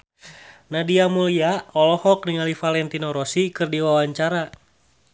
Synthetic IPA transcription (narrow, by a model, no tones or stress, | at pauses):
nadiamuliaɔlɔhɔk̚niŋalifalɛnt̪inɔɾɔsikɨrdiwawaɲt͡ʃaɾa